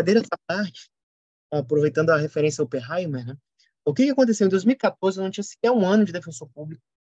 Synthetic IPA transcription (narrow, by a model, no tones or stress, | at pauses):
ad̪ejɾɛsɐt̪aɾt͡ʃɪ̥ | pɾovejt̪ɐ̃nd̪ʊɐɦefeɾẽs̬jɐupeɦajmeɾnɛ | ʊkɪkɪakõt̪̬esewẽd̪ojzmiwikat̪oɾzɪewnɐ̃w̃t͡ʃĩɲ̃ɐsɪ̥kɛɾũɐ̃nʊd͡ʒɪd̪efẽsoɾpublikʊ̥